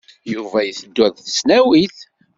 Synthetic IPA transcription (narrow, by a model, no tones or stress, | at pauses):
juvæjəθəd̪ːæðθə̥snæwiθ